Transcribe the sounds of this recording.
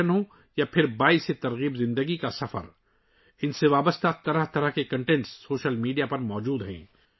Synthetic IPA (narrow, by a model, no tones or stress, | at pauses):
ənɦõ | japʰɪɾbaːiset̪ɐɾɣiːbzɪ̃nd̪əɡikasɐfə̰ɾ | ɪnseʋaːbəst̪at̪ɐɾəɦt̪ɐɾəɦkekɐ̃ɳʈɛ̃ɳʈsːoːʃəlmiːɖijapɐɾmɔːd͡ʒuːd̪ɦɛ̰̃ː